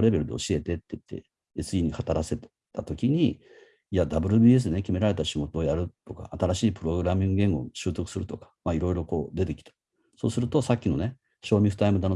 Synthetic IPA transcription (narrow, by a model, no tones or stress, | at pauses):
ɾe̞be̞ɾɯ̟d̪e̞o̞ɕie̞t̪e̞t̪ːeit̪ʰːe̞̰ | esɨiːɲ̟ihat̪aɾase̞t̪ | t̪at̪o̞kʲiɲ̟i | iad̪abɯ̟ɾɯ̟biːe̞s̬d̪enekʲime̞ɾaɾe̞t̪aɕiɡo̞t̪o̞ːjaɾɯ̟t̪o̞ka̰ːt̪aɾaɕiːpɯ̟ɾo̞ɡɯ̟ɾamʲĩŋɡɯɡẽ̞ŋɡo̞̰ɕɨːt̪o̞kɯ̟̥sɨɾɯ̟t̪o̞kḁmaiɾo̞iɾo̞ko̞ːd̪e̞t̪e̞kʲi̥t̪ḁ | so̞̰ːsɨɾɯ̟t̪o̞sakʲːino̞ne̞ | ɕo̞ːmʲiɸɯ̟̥t̪aimɯd̪ano